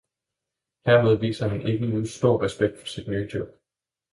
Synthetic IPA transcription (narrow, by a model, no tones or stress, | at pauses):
heɐ̰með̞ˠʋḭːsɐɦæne̝ɡ̥ənuːsd̥o̝ɐ̰ʁɛsb̥eɡ̥̚d̥fɒ̽sid̥nyːd̥ɔb̥̚